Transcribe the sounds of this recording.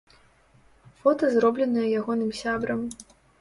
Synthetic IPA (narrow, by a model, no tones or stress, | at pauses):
fɔt̪ɐzrɔblʲɛnɐjɛjaɣɔnɨmsʲabɾɐm